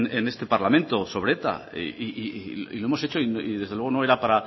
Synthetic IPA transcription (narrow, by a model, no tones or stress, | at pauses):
nene̞st̪e̞paɾlamẽ̞nt̪o̞so̞β̞ɾeet̪a̰ḛiʔiilo̞emo̞se̞t͡ʃoiniðe̞zðelwe̞ɣonoe̞ɾapaɾa